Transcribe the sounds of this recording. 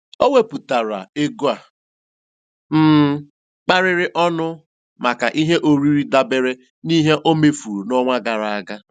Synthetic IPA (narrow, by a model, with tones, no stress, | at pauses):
o˦we˦pu˨ta˨ɾa̰˨e˦ɡu˦a˨ | m̩˦˨ | k͡pa˦ɾɪ˦ɾɪ˦ʔɔ˦nʊ˦ | ma˨ka˨ʔi˦ɦe˦ʔo˨ɾi˦ɾi˦da˦be˦ɾe˦ | ni˦ɦe˦ʔo˦me˦fu˨ɾu˨nɔ˦ŋʷa˦ɡa˨ɾa˨a˦ɡa˦